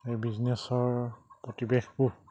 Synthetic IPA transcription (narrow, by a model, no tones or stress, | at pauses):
ejbiznesɔɹpɹɔtibexku